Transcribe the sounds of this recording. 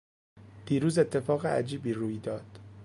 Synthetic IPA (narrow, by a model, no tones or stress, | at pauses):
d̪̥iːɾuːze̞t̪ʰːe̞fɒːɣeʔæ̰d͡ʒiːbiːruːjd̪ɒːd̪̥